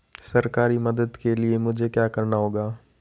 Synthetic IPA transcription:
sɐɾkaːɾimɐd̪əd̪keliemʊd͡ʒʱekjaːkɐɾnaɦoːɡaː

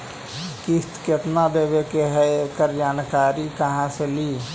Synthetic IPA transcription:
kist̪ket̪nad̪eːbekeɦɛekəɾd͡ʒaːnkaːɾikəɦãseliː

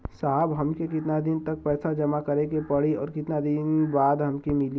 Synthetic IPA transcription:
saːɦbɦɐmkekɪt̪nad̪ɪnt̪ɐk̚pɛːsad͡ʒɐmakɐɾẽkepɐɽiɔ̰ːɾkɪt̪nad̪ɪnbaːd̪ɦɐmkemɪli

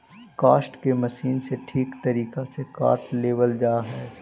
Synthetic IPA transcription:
kaːsʈkemɐʃiːnseʈʰiːkt̪ɐɾiːkaseka̰ːɾʈleːʋəld͡ʒaːɦɛː

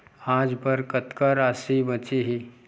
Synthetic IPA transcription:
ãd͡zbəɾkət̪kəɾasibət͡siɦi

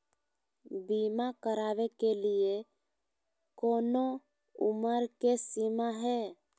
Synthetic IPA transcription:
bimakəɾaːwekelie | koːno | ʊ̰məɾkesimaɦɛ

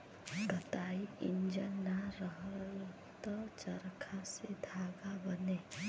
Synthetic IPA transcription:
ɡət̪aːiɪ̰nd͡ʒənːaɾəɦəɾl | t̪ɔt͡ʃəɾkʰased̪ʱaːɡabəneː

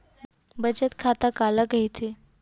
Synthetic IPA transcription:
bət͡ɕət̪kʰat̪akaləkəit̪ʰe

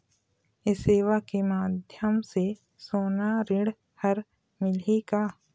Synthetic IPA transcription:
ɪseːʋakemaːd̪ʱjəmse | soːnaɾɪɽ | həɾ | mɪlikaː

